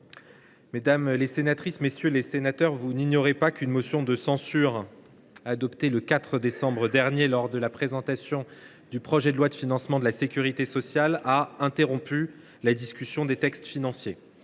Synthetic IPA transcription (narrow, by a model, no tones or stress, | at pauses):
med̪amlesenat̪χismesjølesenat̪œʁvuniɲjɔʁepakʲynmosjɔ̃d̪əsɑ̃syʁ | ad̪ɔpt̪eləkat̪χəd̪esɑ̃bʁəd̪ɛʁnjelɔʁd̪əlapχezɑ̃t̪asjɔ̃ | d̪ypχɔʒɛd̪əlwad̪əfinɑ̃smɑ̃d̪əlasekʲyʁit̪esɔsjalaɛ̃t̪eʁɔ̃py | lad̪iskʲysjɔ̃d̪et̪ɛkst̪finɑ̃sje